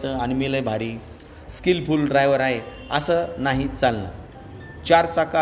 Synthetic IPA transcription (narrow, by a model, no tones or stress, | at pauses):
t̪əañimiləjbʱaɾi | skilpulɖɾajʋəɾaɦe | əsəːnaɦit͡salna̰ | t͡ɕaɾt͡saka